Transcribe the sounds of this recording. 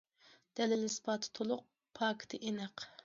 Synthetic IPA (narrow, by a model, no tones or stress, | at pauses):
d̪̥ɛlɪlɪspʰɑt̪ʰt̪ʰolˠʊq̚ | pʰɑːkʰt̪ʰɨʔenɛq